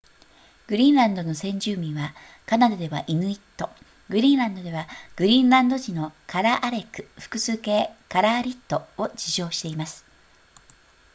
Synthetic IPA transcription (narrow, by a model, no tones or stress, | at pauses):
ɡ̥ɯ̟ɾʲĩːnɾãnd̪o̞no̞sẽ̞ɲ̟d͡ʑɨːmʲĩɰ̃βa | kanad̪od̪e̞βa̰ʔinɯ̟it̪ːo̞ | ɡɯ̟ɾʲĩːnɾãnd̪od̪e̞βaɡ̥ɯ̟ɾʲĩnɾãnd̪o̞ʑino̞kaɾaʔaɾe̞kɯ̟̥ɸɯ̥kɯ̟sɨːke̞ːkaɾaːɾʲit̪ːo̞od͡ʑiʑo̞ːɕi̥t̪e̞imasɨ̥